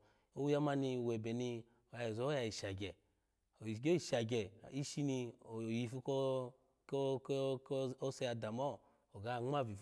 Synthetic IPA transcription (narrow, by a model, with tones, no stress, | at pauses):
o˦wu˦ja˦ma˧ni˧˨we˨bɛ˨ni˧ | o˨ja˨i˨zo˨˦a˧i˨ʃa˨ɡʲɛ˨ | o˨i˨ɡo˦i˨ʃa˨ɡɛ˨i˦ʃi˧ni˧o˨ji˨fu˧˦ko˦ | ko˦kko˦se˧ja˧da˨mɔ˦ | o˨ɡa˨˦˨ŋ͡ma˦˨vi˨f